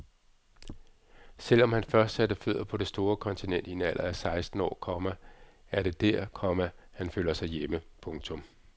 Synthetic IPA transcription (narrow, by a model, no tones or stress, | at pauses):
sel̰ɒ̽mhænfɶɐsd̥sæd̥əføð̰ˠɐpʰɒ̽d̥e̝sd̥o̝ːɐkʰɒ̽nt͡sʰinen̰d̥ie̝næl̰ʔɐæsɑ̈ɪsd̥n̩ɒ̰ːkʰɒ̽mææɐɾ̥e̝d̥æɐkʰɒmæhænføːl̰ɐsɑ̈ɪjeməpʰɔ̽ŋt͡sʰɔ̽m